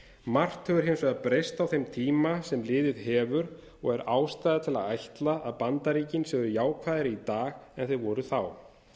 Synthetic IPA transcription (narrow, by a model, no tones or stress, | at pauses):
mar̥t̪hœvʏɾ̥ɦejnsvɛɣapɾejst̪awθejmt̪ʰiːmasɛmlɪːðɪðɦɛːvʏɾ | ɔɣɛɾaːwst̪ajðat̪ʰɪla̰ðajht̪laʔaðpant̪aɾiːcɪnsœɣðʏjaːwkʰvaːðɪɾɪit̪aːɣɛnθeðvɔɾʏθaw